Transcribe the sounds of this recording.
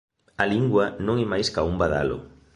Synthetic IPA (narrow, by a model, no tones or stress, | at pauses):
aliŋɡwɐnõŋemajskaumbaða̰lʊ̰